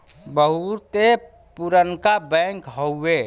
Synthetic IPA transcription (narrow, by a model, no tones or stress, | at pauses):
bəɦut̪e | puɾənkabɛ̃ŋkɦoe